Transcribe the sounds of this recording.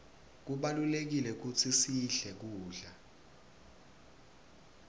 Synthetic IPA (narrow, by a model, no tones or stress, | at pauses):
k̬uɓalulek̬ilɛk̬ut͡sʰisiɬɛk̬uːɮa